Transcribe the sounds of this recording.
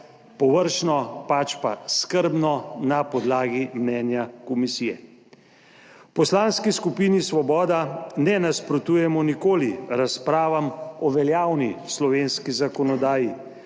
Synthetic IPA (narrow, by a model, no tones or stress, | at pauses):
pɔʋəɾʃnɔpat͡ʃpa̰skəɾbnɔnapɔd̪laːɡimnɛːnjakɔmisijɛ | wpɔslanskiskupiːnisʋɔbɔːd̪anɛnaspɾɔt̪uːjɛmɔnikoːliɾaspɾaːʋamɔʋɛljaːwnislɔʋeːnskizakɔnɔd̪aːji